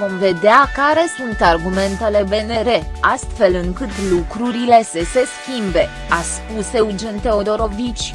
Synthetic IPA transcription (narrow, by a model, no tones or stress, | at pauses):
vo̞mve̞d̪eakaɾe̞sunt̪arɡume̞nt̪e̞le̞be̞ne̞ɾe̞ast̪fe̞lɨŋkɨt̪lukɾuɾile̞sese̞skʲimbe̞ | aspuse̞ud͡ʒent̪e̞o̞d̪o̞ɾo̞vit͡ʃʲ